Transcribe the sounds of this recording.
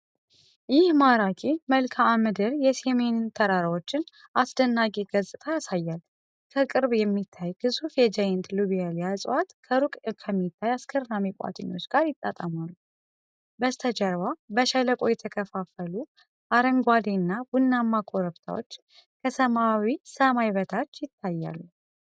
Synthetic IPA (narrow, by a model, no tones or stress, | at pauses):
jɪhmaɾakʼiməlkʰaːmɨd̪ɨɾjɛsemennt̪ʰəɾaɾawo̞t͡ʃːɪn | ʔasd̪ənːakʼiɡəzʼɨt̪ʰajasajːal | kʰəkʼɨɾbjɛmːit̪ʰːajɡɨsufjɛd͡ʒajɪnt̪luβijaljasʼwat̪kʰəɾukʼkʰəmːit̪ʰːajaskʰəɾːamikʷʼa̰t̪ʼɨɲːo̞t͡ʃːɡ̥aɾjɪt̪ʼːa̰t̪ʼəmalːu | bəst̪ʰəd͡ʒəɾwabəʃələkʼojɛt̪ʰəkʰəfafəlu | ʔaɾəŋɡʷad̪enːabunːamːakʼoɾəβt̪ʰa̰wo̞̰t͡ʃː | kʰəsəmawisəmajβət̪ʰat͡ʃːjɪt̪ʰːajːa̰lːu